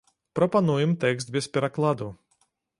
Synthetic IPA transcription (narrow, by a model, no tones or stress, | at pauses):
pɾɔpanujumt̪ɛkst̪̚bʲispʲɛɾaklˠad̪u